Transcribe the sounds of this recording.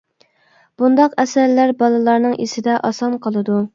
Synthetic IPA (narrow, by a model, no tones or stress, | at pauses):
b̥und̪ɑqɛsæɾlæɾbɑlˠɨlˠɑɾnɨŋʔisɪd̪ɛʔɑsɑnqʰəlˠɨd̪u